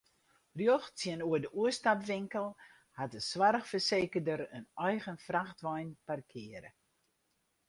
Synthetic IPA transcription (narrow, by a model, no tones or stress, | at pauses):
rjoxt͡siənuədəʔuəstapʋɪŋkəlˠ | hatəswarxfərseːkədəɾənœjɣənfraxtʋɔjnparkʰɪəɾə̰